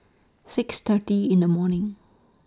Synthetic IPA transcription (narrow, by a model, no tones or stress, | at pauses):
sɪkst̪ʰətiɪ̃nd̪əmɔnɪ̃ŋ